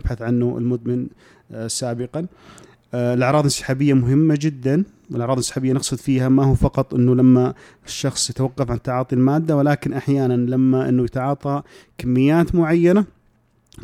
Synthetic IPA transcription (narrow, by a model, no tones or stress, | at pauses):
bħaθʕanːuɪ̰lmʊd̪mɪn | saːbɪqɑn | ɪlʔɑʕɾˤɑːðˤɪnsɪ̥ħaːbɪjːamʊɦɪmːad͡ʒɪd̪ːan | wɪlʔɑʕɾɑːðˤɪnsɪ̥ħaːbɪjːanɑqsˤɨd̪fiːhamahuːfɑqɑt̪ˤʔɪnːulamːa | ʃːɑxsˤjɪt̪awɑqːɑfʕant̪ːaʕɑːt̪ˤilmaːd̪ːawɪlaːkɪnʔaħjaːnanlamːaʔɪ̰nːujɪt̪ʕɑːt̪ˤɑkamːɪjːaːt̪mʊʕajːana